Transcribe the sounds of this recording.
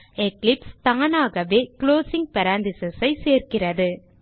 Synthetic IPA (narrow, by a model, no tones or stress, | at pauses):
ɛklɪpst̪aːnaːɣɐʋeːkloːsɪŋɡ̚pɐɾaːnd̪ɪsɐsɐɪseːrkɪrɐðɯ